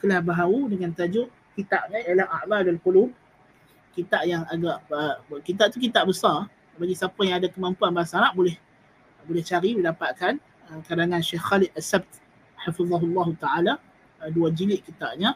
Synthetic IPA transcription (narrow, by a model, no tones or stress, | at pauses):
kəlahbaɦaudəŋant̪ad͡ʒʊʔ | kit̪aʔɲajalahaʔmalalkulub̚ | kit̪aʔjaŋaɡaʔəkit̪̬aʔt̪ukit̪aʔbəsar | baɡisapajaŋadakəmampuanbaasaɾaʔbolɛh | bolɛht͡ʃaɾiidapaʔ̪kan | əkadaŋãnʃehxalɪt̪̚asɛb̚t̪ | ħafiðˤɑɦʊlːɑɦut̪aʕala | duad͡ʒilɪʔkit̪aʔ̚ɲa